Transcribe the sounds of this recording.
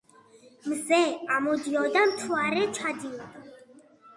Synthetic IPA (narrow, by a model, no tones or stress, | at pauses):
mzɛamud̪iɔd̪amt̪ʰwaɾɛt͡ʃʰad̪i